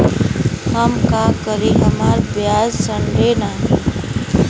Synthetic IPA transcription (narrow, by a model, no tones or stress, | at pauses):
həmkaːkəɾiɦəmaːɾbjaːzsəɳɖeːnaːɦi